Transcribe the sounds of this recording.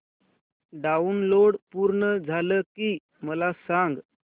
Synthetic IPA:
ɖaunloɽpuːɾɳəd͡zʱaləkiː | məlasãŋɡ

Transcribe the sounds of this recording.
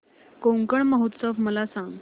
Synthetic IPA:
koŋkəɳməɦut̪səʋməlasãŋɡ

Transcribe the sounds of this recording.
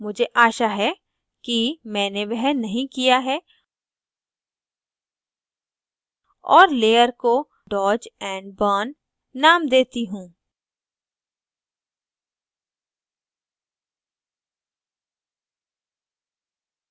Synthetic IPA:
mʊd͡ʒʱeʔaːʃaɦɛ | kimɛ̃ːneʋɐɦnɐɦĩkijaɦɛː | ɔːɾleːəɾko | ɖɔːɾd͡ʒɛ̃ːɳɖbɔːnː | aːmd̪eːt̪iɦũː

